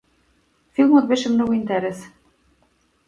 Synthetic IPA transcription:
filˠmot̪βeʃɘ̆mnoɣoint̪æɾes

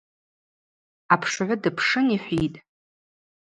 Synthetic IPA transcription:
apʰʂʕʷʊdɨpʰʂɨniħʷitʼ

